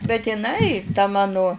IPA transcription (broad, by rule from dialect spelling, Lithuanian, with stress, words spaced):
bʲɛt ɪˈnɐɪ tɐ ˈmɑːnʊ